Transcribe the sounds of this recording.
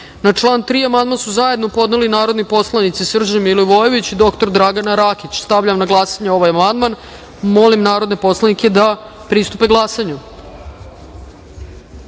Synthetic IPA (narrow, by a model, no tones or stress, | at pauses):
nat͡ʂlˠaːnt̪ɾiːamand̪mansuzaje̞d̪no̞po̞d̪nelinaːɾo̞d̪nipo̞slˠanit̪sisr̩d͡ʑemilojʋojeʋit͡ɕid̪o̞kt̪o̞ɾd̪ɾaɡanaɾakit͡ɕst̪aʋʎamnaɡlˠasaɲeo̞ʋajamand̪man | mo̞limnaːɾo̞d̪nepo̞slaniked̪a | pɾist̪upeɡlˠaːsaɲu